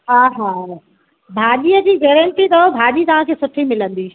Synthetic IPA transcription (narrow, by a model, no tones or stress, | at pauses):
ɦaɦaː | bʱaːɗiəd͡ʑiːɡɛːɾəɳʈit̪ɐobʱaːɗit̪ɐʋ̤ãkʰeːsʊʈʰimɪlə̃nd̪iː